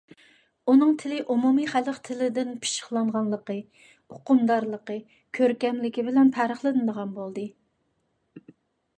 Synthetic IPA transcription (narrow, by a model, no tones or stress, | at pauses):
unɨŋt̪ʰɪlɪʔumumiχæləqt̪ʰɪlɪd̪ɪnpʰi̥ʃə̥χlˠɑɴʁɑnlˠəqə | oqʊmd̪ɑɾlˠəqə | kʲʰøɾkʲɛmlɪkʲibɪlɛnpʰæɾəχlˠɨnɨd̪əʁɑnbolˠd̪ɨ